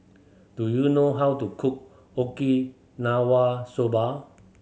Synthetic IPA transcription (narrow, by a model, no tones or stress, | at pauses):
d̥ujunoɦawtukʰuk̚ | oki | nawasoba